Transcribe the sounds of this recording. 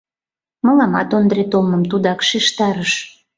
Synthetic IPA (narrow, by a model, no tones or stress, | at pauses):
məlɑmɑ̰t̪ond̪ɾet̪olməmt̪ud̪ɑkʃiʃt̪ɑɾəʃ